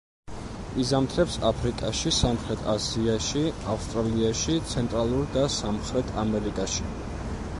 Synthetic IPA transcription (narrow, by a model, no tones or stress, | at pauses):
izamt̪ʰɾɛpsapʰɾikʼaʃisamχɾɛt̪ʰaziaʃiafst̪ʼɾaliaʃit̪sʰɛnt̪ʼɾalˠuɾd̪asamχɾɛt̪ʰamɛɾikʼaʃi̥